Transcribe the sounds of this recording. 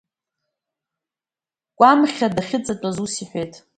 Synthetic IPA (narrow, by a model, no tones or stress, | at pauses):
kʷʼamχʲadaχʲɪt͡sʼat͡pʷʼazusiħʷᶣejtʼ